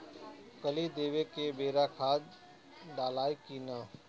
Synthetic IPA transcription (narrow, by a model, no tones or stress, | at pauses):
kəlid̪eːʋekebeːɾakʰaːd͡ʒ | ɖaːlaːekina